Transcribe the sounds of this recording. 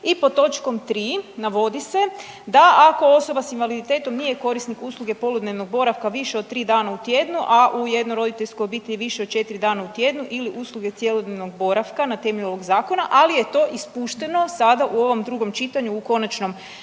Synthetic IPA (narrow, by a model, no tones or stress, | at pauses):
ipot̪o̞t͡ʃko̞mt̪ɾiːnaʋo̞d̪ise̞ | d̪aʔako̞o̞so̞basinʋalid̪it̪e̞t̪o̞mnije̞ko̞ɾisnikuːslˠuɡe̞po̞lod̪ne̞ʋnoɡ̚bo̞ɾaʋkaʋiʃeot̪ɾiːd̪aːnaut̪je̞d̪nuʔaʔuje̞d̪noɾo̞d̪it̪eʎʲskojobit̪eʎʲeʋiʃeod̪̚t͡ʃe̞t̪iɾid̪aːnaut̪je̞d̪nuʔiliʔuːslˠuɡe̞t̪sje̞lod̪neʋno̞ɡ̚bo̞ɾaʋkanat̪e̞meʎuo̞ʋo̞ɡzaːko̞naʔalije̞t̪o̞ːʔispuːʃt̪e̞no̞sad̪aʔuo̞ʋo̞md̪ɾuɡo̞mt͡ʃit̪aɲuːko̞nat͡ʃno̞m